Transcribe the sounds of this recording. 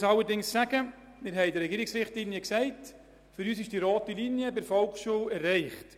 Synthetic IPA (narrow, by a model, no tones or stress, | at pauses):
sɑlːəɾdɪŋsːæɡ̥ə | mɪɾɦɛɪdəɾɛɡiːɾɪksɾɪχtlinjəksɛɪt | fʏɾyːsɪʃd̥iɾɔːtilinjəbɪɾfɔlkʃuwɛɾːɛɪχt